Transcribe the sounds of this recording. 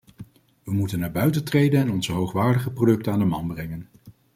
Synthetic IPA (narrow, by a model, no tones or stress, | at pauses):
ʋəmutənːaːbœɥtəntrejdənɛnɔnzəɦowχʋaːɹdəχəprodɵk̚tənaːndəmɑnbrɛŋən